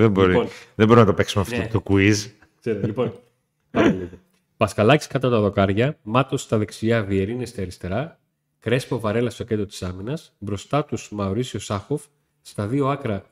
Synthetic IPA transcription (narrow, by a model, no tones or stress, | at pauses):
ðeboɾinðemboɾinɐt̪ope̞ksumeɐft̪ot̪okuiz | seɾt̪lipo̞n | pɐliɣo | pɐskɐlɐci̥skɐt̪ɐt̪ɐðo̞kɐɾʝɐmɐt̪ost̪ɐðe̞ksiɐvie̞ɾine̞st̪iɐɾist̪e̞ɾɐ | kɾe̞spo̞vɐɾe̞lɐst̪o̞cet̪ɾot̪i̥sɐminɐs | bɾo̞st̪ɐt̪usmɐoɾisio̞sɐxo̞fː | t̪ɐðio̞ɐkɾɐ